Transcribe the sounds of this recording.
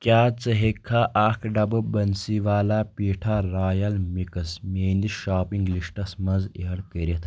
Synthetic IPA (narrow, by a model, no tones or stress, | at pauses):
kʲjaːt͡səɦekʰːaʔakʰɖɐbɐbɐnsiʋaːlaːpiːʈʰaːɾaːjɐlmikɐsmeːnd̪iʃaːpiŋɡliʂʈɐsmɐzeɦɐɽkəɾʲɐt̪